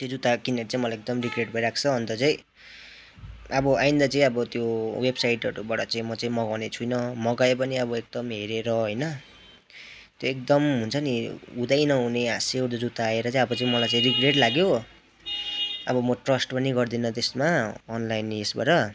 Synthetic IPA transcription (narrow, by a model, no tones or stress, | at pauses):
t̪jod͡zut̪akineʈt͡saĩmʌlaek̚d̪ʌmriɡreʈpʌiɾakʰt͡sʰʌɦʌnt̪ʌt͡sãĩ | ʌbʌʔaĩnd̪at͡saĩʌbʌt̪jowebsajʈʌɾubaɽʌt͡saĩmʌt͡saĩmʌɡawnet͡sʰujnʌmʌɡaep̬ʌniʌbʌek̚d̪ʌmɦeɾeɾʌɦojnʌ | t̪joek̚d̪ʌmɦunt͡sʰʌniud̪ajnʌɦuneaseud̪ʌd͡zut̪aːeɾʌt͡saĩʌbʌt͡sãĩmʌlajt͡sãĩriɡreʈlaɡjo | ʌbʌmʌʈrʌsʈpʌniɡʌrd̪inʌt̪esmaːnlajnesba̰ɾʌ